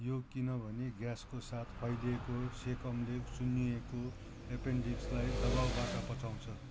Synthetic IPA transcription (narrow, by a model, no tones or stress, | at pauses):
jokinʌbʱʌneɡjaskosat̪ʰpʰʌjlekosekʌmlesunːieko | epeɳɖiŋslajd̪ʌbawbaʈapʌt͡saw̃t͡sʰʌ